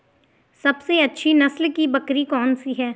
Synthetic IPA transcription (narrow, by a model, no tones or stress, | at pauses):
sɐbseɐtːʃʰinɐslkibɐkɾikɔːnsiɦɛː